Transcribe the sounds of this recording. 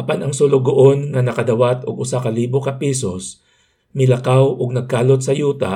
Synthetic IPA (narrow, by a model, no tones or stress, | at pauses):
ʔɐpanɐŋsolʊɡoʔonŋɐnɐkɐd̪ɐwat̪oɡʊsakɐliːbokɐpiːsos | mɪlɐkawʔoɡ̚nɐɡ̚kaːlot̪̚sɐjuːt̪ɐ̰